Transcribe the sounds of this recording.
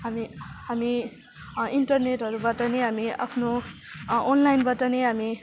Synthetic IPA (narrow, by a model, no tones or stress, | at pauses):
ɦamiɦami | inʈʌrneʈɦʌɾubʌʈʌneɦamia̰pʰno | onlajnbʌʈʌneɦami